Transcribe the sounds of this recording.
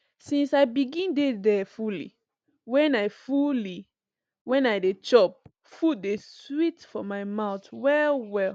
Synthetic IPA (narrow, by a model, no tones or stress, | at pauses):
sĩnsaɪbiɡĩndedɛfulḭ | wɛ̃naɪfuli | wɛ̃naɪdet͡ʃɔp̚ | fut̚deswitfɔmaɪmaʊtwɛlwɛl